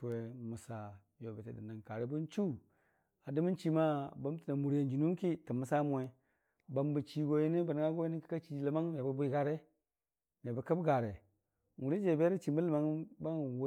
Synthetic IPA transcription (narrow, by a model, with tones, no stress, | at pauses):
tu˨we˨mu˨sa˨ | jo˨be˨te˨di˨na˨ŋka˨ɾe˦bu˦n˦t͡ʃu˦ | a˨di˦mi˦nt͡ʃi˦ma˦ba˦m˦ti˨na˨mu˨ɾja˨nd͡ʒi˨nu˦ki˦tə˨mːə˨sa˦m˨e˨ | ba˨mbə˨t͡ʃi˨ɡo˨ji˦ni˦ba˨n˨ŋa˦ɡo˦ji˦ni˦ki̥˦ka˦t͡ʃi˨˦lə˨ma˦ŋm˨a˨ba˨bu˦i˦˨ɡa˨ɾe˦ | m˨a˨ba˨kə˦bɡa˨ɾe˨ | ŋu˨ɾi˦d͡ʒe˨be˦ɾi˦t͡ʃi˨mə˦lə˨ma˦ŋba˦ŋ˨w